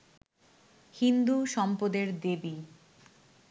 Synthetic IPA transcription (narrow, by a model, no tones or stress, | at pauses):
hind̪uʃɔmpod̪eɾd̪ebi